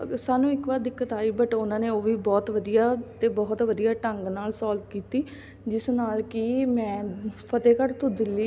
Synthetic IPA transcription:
saːnũːɪkʋaːd̪ɪkːət̪aːiːbəʈʊnãːneːoːʋiːbɔːt̪ʋəd̪ijaːt̪eːbɔːt̪ʋəd̪ijaːʈəŋɡnaːlsɔːlt̪kiːt̪iː | d͡ʒɪsnaːlkiːmɛ̃ːpʰət̪eːkəɾt̪ʰʊd̪ɪlːiː

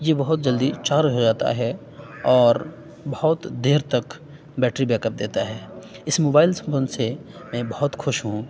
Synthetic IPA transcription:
jebɐɦʊt̪̚d͡ʒɐld̪it͡ʃaːɾɦod͡ʒaːt̪a̰ɦɛ | ɔːɾ | bɐɦʊt̪d̪eːɾt̪ɐk | bɛːʈɾibɛːkəp̚d̪eːt̪aɦɛː | ɪsmoːbaːɪlsɐ̃mbənsemɛ̃ːbɐɦʊt̪xʊʃɦũː

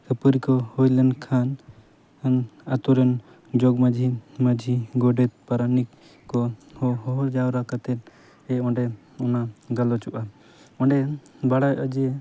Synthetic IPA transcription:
kəpəɾikɔhojlɛnkʰan | anat̪uɾɛn | d͡ʒɔɡmad͡ʒʱimad͡ʒʱiɡɔɖɛt̪̚paɾanik | kɔhɔɦɔɦɔɾd͡ʒawɾakat̪ɛt̪ | ɛɔ̃ɳɖɛ | ɔnaɡalɔt͡ʃuʔa | ɔɳɖɛbaɽajʔəd͡ʒiɛ

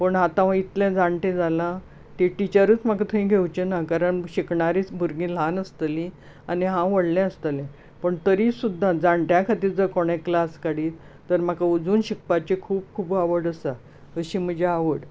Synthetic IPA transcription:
pəɳɦat̪ãʋãit̪lɛ̃d͡zaɳʈẽd͡zalã | t̪ẽʈit͡ɕəɾəːt͡smakat̪ʰəĩɡʱewt͡ɕenakaɾəɳɕikɳaɾit͡sbʱuɾɡĩːl̤anəst̪əlĩ | aniɦãʋəɽlɛ̃əst̪əlɛ̃ | pəɳt̪əɾiːsud̪ʱːad͡zaɳʈjãkʰat̪iːɾd͡zəɾkoɽ̃ẽklaskaɽiːt | t̪əɾmakaud͡zuːnɕik̚pat͡ɕekʰuːp̚kʰuːbaʋəɽəsa | əɕiːm̤əd͡ʑʱeaʋəɽ

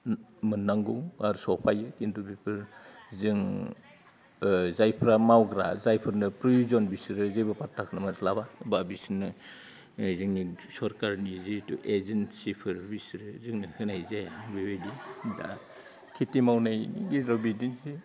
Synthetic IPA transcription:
mɯnːaŋɡuŋaɾsɔpʰajɯkindubipʰɯɾzɯŋ | zajpʰɾamawɡɾazajpʰɯɾnɯpɾɔjuzɔnbisɾɯzɯjbapatʰːakʰnɯmalabababisnːɯ | zɯŋnisɔɾkaɾnizitṵʔezensipʰɯɾbisɾɯzɯŋnɯhɯnajzebibedida̰ | kʰitimawnajnḭɡiɾɔbidinzi

